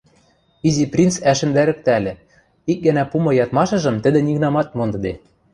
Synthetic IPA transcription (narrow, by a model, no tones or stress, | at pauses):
iziprʲint͡sæʃɘ̆nd̪æɾɘ̆k̚t̪ælʲɘ̆ | ik̚ɡɘ̆næpumɤ̆jɑt̪mɑʃɤ̆ʒɤ̆mt̪ɘ̆d̪ɘ̆nʲiɣnɑmɑt̪̚mond̪ɤ̆d̪e